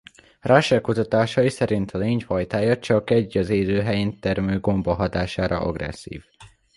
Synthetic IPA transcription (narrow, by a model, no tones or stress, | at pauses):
raːʃɛkːut̪ɒt̪aːʃɒjisɛɾint̪ʰɒleːɲhɒjt̪aːjɒt͡ʃɒkɛɟːɒzeːzøːɦɛjeːnt̪ɛrmøːɡo̞mboɦɒt̪aːʃaːɾʔɒ̰ʔɒ̰ɡrɛ̰sːḭːv